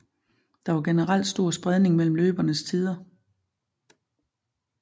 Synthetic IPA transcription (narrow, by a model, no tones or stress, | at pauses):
d̥ɑ̈ʋɑ̈ɡ̥enəʁɑl̰d̥sd̥o̝ɐ̰sb̥ʁɛð̞ˠne̝ŋmel̰m̩løːb̥ɐnəst͡sʰiːð̞ˠɐ